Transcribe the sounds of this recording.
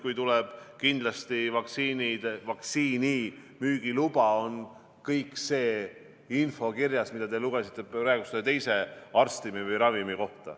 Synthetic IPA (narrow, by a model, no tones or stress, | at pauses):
kujt̪ulɛb̥kind̪lɑst̪ivɑksiːnid̪̥vɑksiːnimyːɡ̥ilub̥ɑo̞n | kɤjkse̞ː | info̞kirjɑsmid̪̥ɑd̪eluɡesit̪ˑːe̞ɾæːɡust̪et̪e̞jse̞ɑrst̪imivɤjɾɑvimiko̞ht̪ɑ̰